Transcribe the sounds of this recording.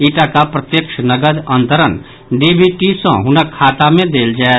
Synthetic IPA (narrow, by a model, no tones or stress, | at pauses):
iːʈakapɾət̪jəkʃnəɡəɾə̃nt̪əɾən | ɖiːbʱiʈisə̰̃ɦʊnəkʰːaːt̪amẽd̪eːld͡ʒaːe